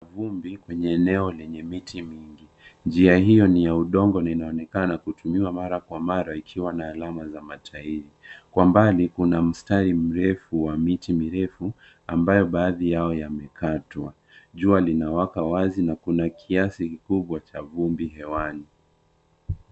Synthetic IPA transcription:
vumbikwɛɲɛːnɛɔlɛɲɛmitimiŋɡi | nd͡ʒiahijɔnijauɗɔŋɡɔnainaɔnɛkanakutʰumiwamaɾakwamaɾaikʰiwanaːlamazamatʰaiɾikwambalikunam̩staɾim̩ɾɛfuwamitimiɾɛfu | ambajɔɓaːðijaɔjamɛkʰatwa | ʄualinawakawazinakunakʰiasikikuɓwat͡ʃavumbiɦɛwani

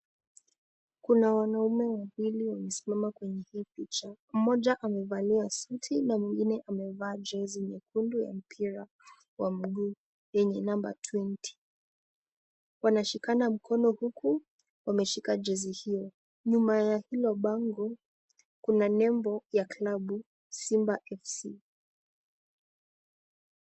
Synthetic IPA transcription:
kunawanaumɛwawiliwamɛsi̥mamakwɛɲɛhiːpit͡ʃam̩mɔʄaʔamɛvaliasutʰinamwiŋɡinɛʔamɛvaːd͡ʒɛziɲɛkunduja̰m̩pʰiɾa | wam̩ɠuː | jɛɲɛnamba̰tʰwinti̥ | wanaʃikanam̩kʰɔnɔhukʰu | wamɛʃikad͡ʒɛzihijɔ | ɲumajahilɔɓaŋɡɔ | kunanɛmbɔjaklaɓu | simbaʔɛfsi

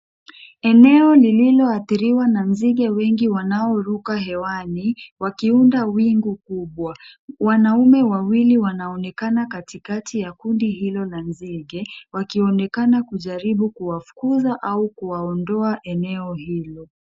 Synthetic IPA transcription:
ɛnɛɔlililɔaθiɾiwananziɠɛwɛŋɡiwanaɔɾukaɦɛwaniwakiundawiŋɡukuɓwawanaumɛwawiliwanaɔnɛkanakatikatʰijakundihilɔlanziɠɛwakiɔnɛkanakuʄaɾiɓukuwafu̥kuzaʔaukuwaɔndɔaʔɛnɛɔhilɔ

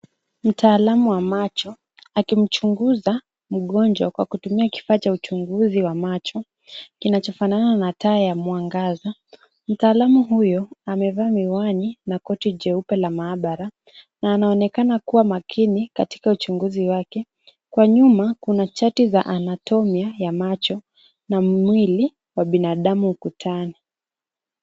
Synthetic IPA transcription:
m̩tʰaːlamuwamat͡ʃɔ | akim̩t͡ʃuŋɡuza | m̩ɠɔnd͡ʒwakwa̰kutumiaki̥faːt͡ʃaut͡ʃuŋɡuziwamat͡ʃɔ | kinat͡ʃɔfanananataːjamuwaŋɡaza | m̩taːlamuɦujɔamɛvaːmiwaninakɔtid͡ʒɛupɛlamaːɓaɾa | naːnaɔnɛkanakuwamakʰinikati̥kaut͡ʃuŋɡuziwakɛ | kwaɲumakunat͡ʃatizaʔanatɔmiajamat͡ʃɔ | nammwili | waɓinaɗamukutʰani

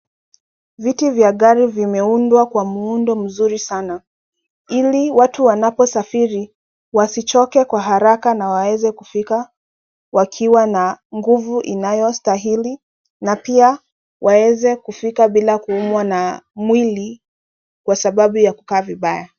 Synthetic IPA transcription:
vitivjaɠaɾivimɛundwakwamuundɔm̩zuɾisana | iliwatuwanapɔsafiɾi | wasit͡ʃɔkɛkwaɦaɾakanawawɛzɛkufika | wakʰiwanaŋɡuvuʔinajɔstaɦili | napia | wʔawɛzɛkufikaɓilakuumwanamwili | kwasaɓaɓujaku̥kaːviɓaja

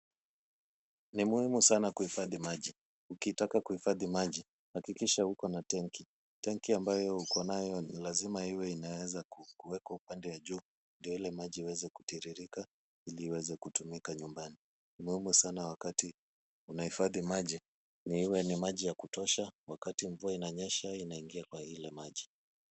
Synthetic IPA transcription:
nimuhimusanakuhifaðimaʄi | ukitakakuhifaðimaʄi | hakikiʃahukɔnatɛŋki | tɛŋkiambajɔhukʰɔnajɔnilazimahiwɛinawɛzakukuwɛkaupandɛwaʄuː | ndijɔilɛmaʄiːwɛzɛku̥tiɾiɾika | iliːwɛzɛkutumikaɲumbani | nimuhimusanawakati | unahifaðimaʄi | nihiwɛnimaʄijakutɔʃawakatiɱvuainaɲɛʃainaiŋɡiakwahilɛmaʄi

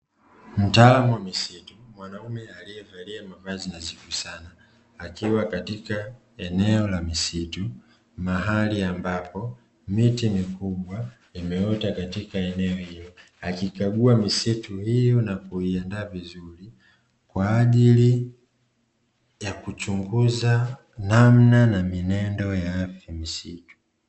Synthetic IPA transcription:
m̩taːlamuwamisitumwanaumɛalijɛvaliamavazinazikusanaː | kiwakatika | ɛnɛɔlamisitu | maɦaliambapʰɔ | mitimikuɓwa | imɛɔtakatikaɛnɛɔhilɔ | akikaɡuamisituhijɔnakuiɛndaːvizuɾi | kwaːʄili | jakut͡ʃuŋɡuza | nam̩nanaminɛndɔjaafjamisitu̥

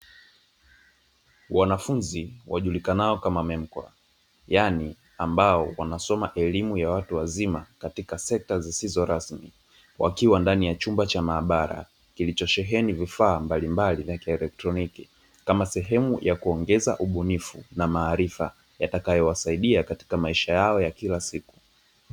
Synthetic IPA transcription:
wanafunziwaʄulikanaɔkamamɛm̩kwa̰ | jani | ambaɔwanasɔmaʔɛlimujawatuwazimakatikasɛk̚tazisizɔɾasmi | wa̰kiwandanijat͡ʃumbat͡ʃamaːɓaɾa̰ | kilit͡ʃɔʃɛɦɛnivifaːmbalimbalivjakiɛlɛk̚tɾɔniki | kamasɛɦɛmujʔakuɔŋɡɛza̰ʔuɓunifṵnamaːɾifa̰ | jatakajɔwasaiɗiakati̥kamaiʃajaɔjakilasiku̥

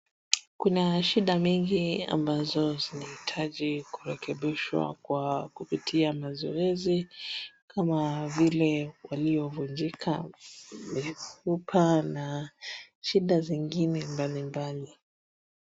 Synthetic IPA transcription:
kunaʃiɗamiŋɡia̰mbazɔzinahitʰaʄiku̥ɾɛkʰɛɓiʃwa̰kwakupitʰiamazɔɛzikʰamavilɛwaliɔvund͡ʒikʰa | mifupʰana | ʃiɗaziŋɡinɛmbalimbali

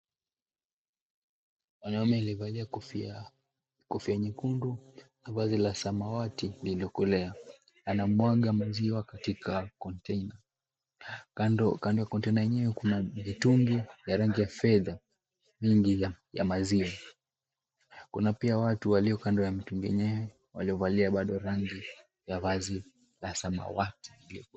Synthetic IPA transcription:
wanawamɛlɛvalia | kɔfiaɲikundunavazilasamawatililɔkɔlɛa | anamwaɠamaziwakatikʰakɔntɛina | kandɔjakɔntɛinajɛɲɛwɛkunamituŋɡijaɾaŋɡijafɛða | miŋɡiaja̰maziwa | kunapiawatuwaliɔkandɔjamituŋɡɛɛ̰ɲɛwɛ | wa̰liɔvaliaɓaɗɔɾaŋɡi | javazi | lasama̰wati̥liliɔ

